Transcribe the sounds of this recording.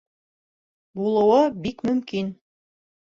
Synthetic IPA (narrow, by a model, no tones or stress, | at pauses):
bulˠɤ̆wɤbikmɵ̆mkin